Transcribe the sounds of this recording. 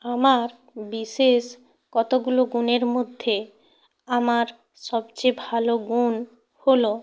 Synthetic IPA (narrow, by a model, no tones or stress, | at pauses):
amaɾ | biʃeʃ | kɔt̪oɡuloɡuneɾmod̪ʱːe | amaɾ | ʃɔbt͡ɕebʱaloɡun | holo